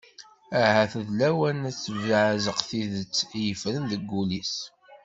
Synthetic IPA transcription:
æhæθəðlæwænæt͡sːviʕæzəqθiðət͡sːjəfɾənðəɡːulis

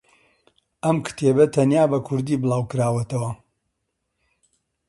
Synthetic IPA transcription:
ʔɐmkʰt̪ʰebɐt̪ʰɐnjaːbɐkʰʊɾd̪iːbɨlˠaːwkɨɾaːwɐt̪ʰɐwɐ

